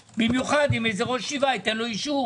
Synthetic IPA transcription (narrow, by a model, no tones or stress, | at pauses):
bimjuχad̪imejzeʁo̞ʃivait̪enloiʃu